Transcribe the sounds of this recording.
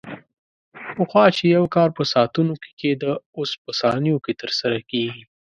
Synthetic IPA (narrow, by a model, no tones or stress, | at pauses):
pəxwɑt͡ʃejawkɑɾpəsɑt̪unoke̥ked̪əospəsɑnjoket̪əɾsaɾakeɡi